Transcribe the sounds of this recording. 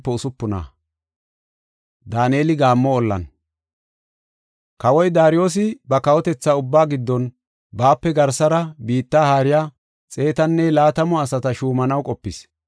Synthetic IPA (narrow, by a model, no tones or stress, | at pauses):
pːɛʊsʊpːʊna̰ | d̪aːneːlɪɡaːmːɔːlːɐ̰n | kɐwɔjd̪aːɾɪjo̞ːs̬ɪbɐkɐwɔt̪ɛt͡sːaʊbːaːɡɪd̪ːɔn | baːpːɛɡɐɾsɐɾɐbiːt̪ːaːhaːɾɪjaː | t͡sʼe̞ːt̪ɐnːɛlaːt̪ɐmɔɐsɐt̪ɐʃuːmɐnɐwkʼɔpːɪs